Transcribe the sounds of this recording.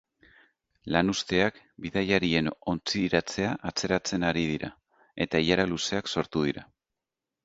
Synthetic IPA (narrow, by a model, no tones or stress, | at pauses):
lanust̪e̞ak | biðajaɾie̞no̞nt͡siɾat͡se̞aʔat͡se̞ɾat͡se̞naɾið̞iɾa̰ | e̞t̪aiʎaɾaluse̞akso̞ɾt̪uð̞iɾa